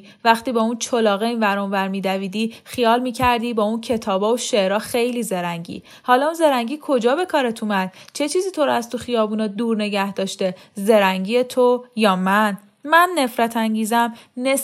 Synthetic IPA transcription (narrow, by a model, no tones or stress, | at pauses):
væχt̪iːbɒːunt͡ʃʰolɒːɣeiːnvæɾɔnvæɾmiːd̪æviːd̪iːxijɒːlmiːcʰæɾd̪iːbɒːuncʰe̞t̪ʰɒːbɒːoʃeʔɾɒːxe̞jliːzeɾæɲɟḭː | hɒːlɒunze̞ɾæŋɟiːkʰo̞d͡ʒɒːbe̞kʰɒːɾet̪ʰumæd̪̥̚t͡ʃʰe̞t͡ʃʰiːziːt̪ʰo̞ɾæzt̪ʰoxijɒːbuːnɒːd̪uːɾne̞ɟæhd̪̥ɒːʃt̪eze̞ɾæŋɟiːet̪ʰojɒːmæn | mænːe̞fɾæt̪ʰæɲɟiːzæmne